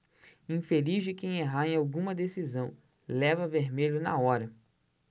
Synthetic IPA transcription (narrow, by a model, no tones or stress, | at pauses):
ĩfelizd͡ʒɪkẽj̃eɦaẽj̃awɡũmɐd̪esizɐ̃w̃ | lɛvɐveɾmeʎʊnɐ̰ɔɾɐ